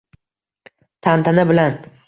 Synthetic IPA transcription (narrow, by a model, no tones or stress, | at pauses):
t̪ʰant̪ʰanɪbɪlan